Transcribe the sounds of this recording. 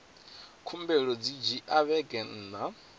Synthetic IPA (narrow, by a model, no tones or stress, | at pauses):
kʰumbɛɺɔd͡zid͡ʒiʔaβɛɡɛn̩ːna